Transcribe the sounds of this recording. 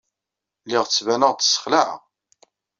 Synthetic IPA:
lɪʁt͡sːvænəʁt͡s̪ːsːə̥χlaʕ̰

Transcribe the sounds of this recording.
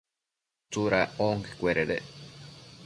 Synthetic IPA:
t͡suɾaoŋke̥kʷeɾeɾe

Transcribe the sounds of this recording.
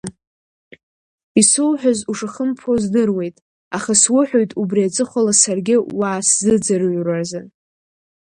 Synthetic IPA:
isowħᶣazuʂaχəmpʰozdɨrwe̞jtʼ | aχaswʊħᶣojtʼubriat͡sʼɨχʷalasarɡʲɪwaːszɨd͡zɨrɥrazɨ

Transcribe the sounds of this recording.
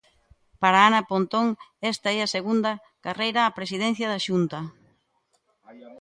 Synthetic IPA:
paɾaanɐpont̪oŋɛst̪aɛɐseɣund̪ɐ | karejɾaːpɾes̬iðɛn̟θjɐðɐʃunt̪ɐ

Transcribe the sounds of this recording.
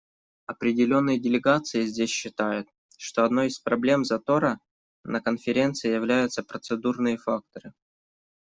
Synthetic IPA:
ɐpɾʲɪdʲɪlʲo̞nːɨjədʲɪlʲɪɡat̪sɨjɪzʲdʲesʲɕːɪt̪ajʊt̪̚ | ʂt̪o̞ɐd̪no̞jɪspɾɐblʲe̞mzɐt̪o̞ɾə | nʔəkənfʲɪɾʲe̞nt̪sɨɪjɪvlʲæjʊt̪səpɾət̪sɨd̪urnɨjəfak̚t̪əɾɨ

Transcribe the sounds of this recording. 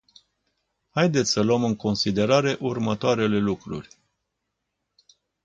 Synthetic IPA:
hajd̪et̪sʲsələmɨŋko̞nsid̪e̞ɾaɾe̞ʔurmət̪oaɾe̞le̞lukɾṵrʲ

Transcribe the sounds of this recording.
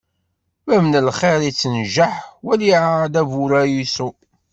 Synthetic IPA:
mæmnəlχeɾit͡sːənʒəħwæliʕad̪ævuɾæjisu

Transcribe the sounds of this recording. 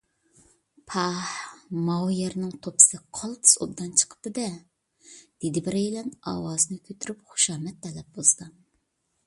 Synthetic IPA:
pʰɑhmɑwjɛɾnɪŋt̪ʰopʰɨ̥sɨqʰɑlˠt̪ʰɨ̥so̰b̚d̪ɑnt͡ʃʰə̥qʰə̥p̚t̪ɨd̪ɛ | d̪̥ed̪ɪbɪɾɛjlɛnɑ̰ːwɑːzɨnɨkʲʰøt̪ʰyɾypχu̥ʃɑːmɛt̪ʰːɛlɛp̚bozˠd̪̥ɨ

